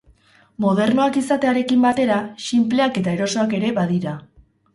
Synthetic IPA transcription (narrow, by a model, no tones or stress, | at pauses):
mo̞ð̞e̞ɾnoakisat̪e̞aɾe̞kimbat̪e̞ɾaʃimple̞ake̞t̪ae̞ɾo̞so̞ake̞ɾe̞βaðiɾa